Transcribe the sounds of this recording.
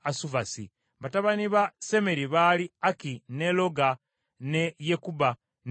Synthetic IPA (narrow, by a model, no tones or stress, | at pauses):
asuvasḭ | βataβaniβase̞me̞ɾiβaliakine̞lo̞ɡa | nejekuba | n